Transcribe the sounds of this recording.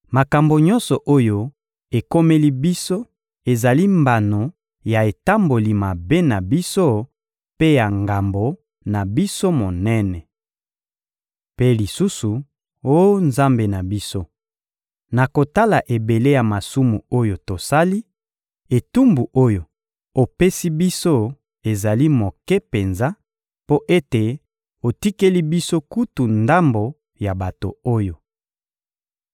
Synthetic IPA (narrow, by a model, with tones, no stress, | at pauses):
ma˨ka˨mbo˨ɲɔ̃˦nsɔ˨ʔo˦jo˦ | e˨ko˦me˦li˦bi˦so˦ | e˨za˨li˦mba˨no˨ | ja˨e˨ta˦mbo˨li˨ma˨be˦na˨bi˦so˦ | pe˦ja˨ŋɡa˨mbo˨ | na˨bi˦so˦mo˨nɛ˦nɛ˨ | pe˦li˨su˦su˨ | o˦nza˦mbe˨na˨bi˦so˦ | na˨ko˨ta˦la˨ʔe˨be˨le˦ja˨ma˨su˦mu˨o˦jo˨to˨sa˦li˦ | e˨tu˦mbu˨ʔo˦jo˨ | o˨pe˦si˦bi˦so˦ | e˨za˨li˦mo˨kɛ˦pe˨nza˦ | po˦ʔe˦te˨ | o˨ti˦ke˦li˦bi˦so˦ku˦tu˨nda˦mbo˨ | ja˨ba˨to̰˨o˦jo˨